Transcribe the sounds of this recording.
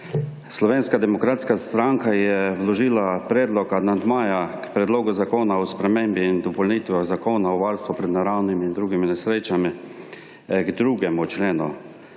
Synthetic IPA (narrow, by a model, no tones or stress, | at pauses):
slɔʋeːnskad̪ɛmɔkɾaːt̪skast̪ɾaŋkajɛwlɔʒiːlapɾɛːd̪lɔkad̪nand̪maːjakpɾɛd̪loːɡʊzakoːnaɔspɾɛmembiːnd̪ɔpɔlniːt̪ʋɔzakoːnaɔʋaɾst̪vupɾɛd̪naɾawnimind̪ɾuːɡiminɛsɾet͡ʃami | ɡd̪ɾuːɡɛmut͡ʃleːnṵ